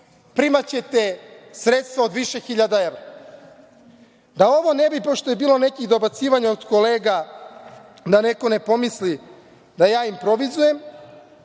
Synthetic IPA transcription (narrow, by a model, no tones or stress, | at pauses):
pɾimat͡ɕe̞t̪esɾet̪st̪vʋaod̪ʋiʃexiʎad̪aeʋɾa | d̪ao̞ʋo̞nebipo̞ʃt̪o̞je̞biːlˠo̞ne̞kiɣd̪o̞bat̪siːʋaɲaod̪ko̞leːɡa | d̪ane̞ko̞ne̞po̞misli | d̪ajaːimpɾo̞ʋizuje̞m